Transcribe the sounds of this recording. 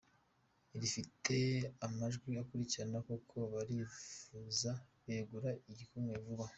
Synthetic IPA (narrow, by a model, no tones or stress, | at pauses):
iɾifite̞amaʒɡwiakuɾiciɾanakokʰoβaɾifuzaβe̞ɡuɾaiɟikumŋevuβa